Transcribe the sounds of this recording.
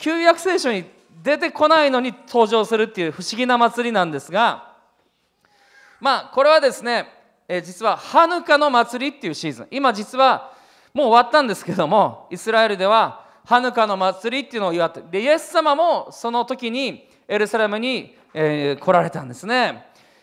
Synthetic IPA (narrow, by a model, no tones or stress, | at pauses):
kʲɨːjakɯ̟̥se̞ːɕo̞ɲ̟i | d̪e̞t̪e̞ko̞naino̞ɲ̟it̪ʰo̞ːʑo̞ːsɨɾɯ̟t̪ːe̞jɯ̟ɸɯ̟ɕiɡʲinamat͡sɨɾʲinãnd̪e̞sɨɡa | maːko̞ɾe̞βad̪e̞sɨne̞ | ed͡ʑit͡sɨβahanɯ̟kano̞mat͡sɨɾʲit̪ːe̞iɯ̟ːɕiːzɨ̰̃imad͡ʑit͡sɨβa | mo̞ːβat̪ːãnd̪e̞sɨ̥ke̞ed̪o̞mo̞isɨɾae̞ɾɯ̟d̪e̞βa | hanɯ̟kano̞mat͡sɨɾʲit̪ːeiɯ̟nooiβat̪ːed̪e̞ije̞sːamamo̞so̞no̞t̪o̞kʲiɲ̟i | e̞ɾɯ̟saɾe̞mɯ̟ɲ̟i | eːkʰo̞ɾaɾe̞t̪ã̰nd̪e̞sɨne̞